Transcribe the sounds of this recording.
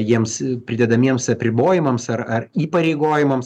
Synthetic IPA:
jiɛmspʲɾʲɪd̪ʲɛd̪ɐmʲiɛmsɐpʲɾʲɪboːjɪmɐmsɐɾɐriːpɐɾʲɛɪɡoːjɪmɐms

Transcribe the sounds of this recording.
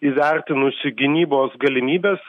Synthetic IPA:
iːʋʲæɾʲt̪ʲɪnʊsʲɪɡʲɪnʲiːboːsɡɐlʲɪmʲiːbʲeːs

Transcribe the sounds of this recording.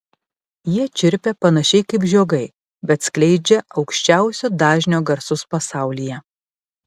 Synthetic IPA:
jiɛt͡ʃʲɪɾʲpʲɛpɐnɐʃʲɛɪkɐɪpʒʲoːɡɐɪ | bʲɛt̪sklʲɛɪd͡ʒʲɛɒʊkʃʲt͡ʃʲæˑʊsʲʊd̪ɑːʒʲnʲoːɡɐɾsʊspɐsɑˑʊlʲijɛ

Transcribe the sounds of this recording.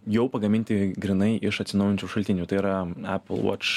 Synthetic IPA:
jɛʊpɐɡɐmʲɪnʲt̪ʲɪɡɾʲɪnɐɪʔɪʃɐt̪ʲsɪnɐʊjɛnʲt͡ʃʲuːʃɐlʲt̪ʲɪnʲuːt̪ɐɪiɾɐæ̰pʲl̩ˠʋɔ̰ːt͡ʃ

